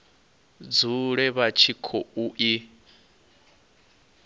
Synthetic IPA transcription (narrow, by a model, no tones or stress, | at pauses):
d͡zuɺɛβat͡ʃʰikʰɔuʔi